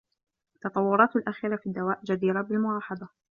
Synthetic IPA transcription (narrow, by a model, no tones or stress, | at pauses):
t̪ːɑt̪ˤɑwːʊɾˤɑːt̪alʔaxiːɾafiːd̪ːawaːʔd͡ʒad̪iːɾabɪlmʊlɑːħɑd̪ˤɑ